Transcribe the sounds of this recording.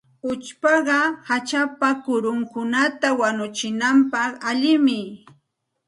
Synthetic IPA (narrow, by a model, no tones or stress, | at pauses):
ʊt͡ʃpɑɢɑhat͡ʃapakʊɾʊŋkʊnat̪awanʊt͡ʃɪnampɑχaʎɪmɪ